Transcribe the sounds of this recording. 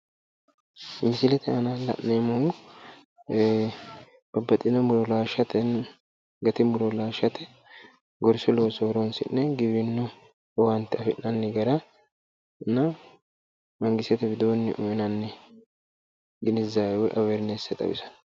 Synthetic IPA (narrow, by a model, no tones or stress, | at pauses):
mɪsɪlɛt̪ɛɐnɐlɐ̰ʔnemoŋʊ | b̥ɐbːɐt̪ʼːɪnɔmʊɾɔlaːʃɐt̪ɛn | ɡɐt̪ɪmʊlɔlaːʃɐt̪ɛ | ɡɔɾsɔloːsoɾonsɪ̰nːɛɡɪbɪnːɔ | wɐnt̪ːɪɐfɪʔɐnːɛɡɐɾɐ | nɐ | mɐŋɡɪsɛt̪ɛbɪd̪oːnːɪʔʊmɛnɐnːɛ | ɡɪnɪzawɛʔɐwɛɾnesɛt̪ʼɐ̰bɪ̰sɐ̥n